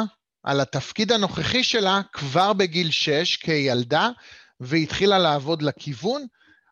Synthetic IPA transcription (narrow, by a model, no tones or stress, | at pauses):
ʔa̰lat̪afkid̪ano̞χeχiʃe̞lakvaʁbeɡilʃeʃkʰejalda | veit̪χilalaːvo̞dlekʰivun